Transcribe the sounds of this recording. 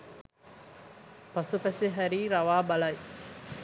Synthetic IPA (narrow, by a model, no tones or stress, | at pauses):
pɐsupæseɦæɾiːɾɐʋaːbɐlɐj